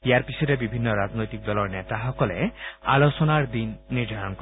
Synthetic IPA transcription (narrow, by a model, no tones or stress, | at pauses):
jaɾpisʰɔɾebibʱinːɔɾad͡ʒnojt̪ik̚d̪ɔlɔɾnet̪aɦɔkɔlḛalot͡ʃɔnaɾd̪inːiɾd̪ʱaɾɔnk